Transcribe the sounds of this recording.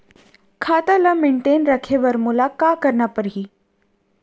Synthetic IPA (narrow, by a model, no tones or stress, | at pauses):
kʰaːt̪aləmẽːɳʈeːnɾɐkʰeʋəɾmʊlakakəɾnapəɾɦiː